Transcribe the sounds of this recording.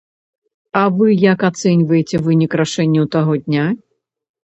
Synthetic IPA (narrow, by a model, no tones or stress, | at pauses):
ɐvɨjakat̪sɛnʲvɐjet͡sʲɛvɨnʲikraʂɛnʲːɐwt̪aɣɔd̪ʲnʲa